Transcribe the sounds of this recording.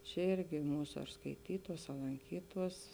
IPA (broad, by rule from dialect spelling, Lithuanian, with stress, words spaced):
t͡ʃʲɛˈɪrʲɡʲɪ ˈmuːsɐ ɐr skɐɪˈtʲiːtuɔs ɐ lˠɐŋʲˈkʲiːtuɔs